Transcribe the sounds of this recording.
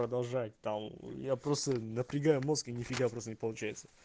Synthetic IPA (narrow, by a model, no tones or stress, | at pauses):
ɾəd̪ɐlˠʐat̚ʲt̪amjapɾo̞st̪ənəpɾʲɪɡajʊmoskɨnʲɪfʲɪɡajʊpɾost̪ənʲɪpəlˠʊt͡ɕæjɪt̪sə̥